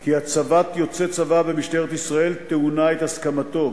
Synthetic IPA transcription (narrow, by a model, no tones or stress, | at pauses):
kiat͡savat̪jo̞t͡set͡savabemiʃt̪eʁet̪isʁae̞lt̪eunae̞t̪haskamat̪o̞